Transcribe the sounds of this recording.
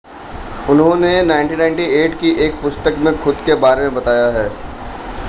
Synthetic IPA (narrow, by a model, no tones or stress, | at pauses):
ʊnɦõnenaɪ̃ɳʈinãɪ̃ɳʈieːʈkiʔeːk̚pʊst̪əkmẽxʊd̪kebaːɾemẽbɐt̪aːjaɦɛː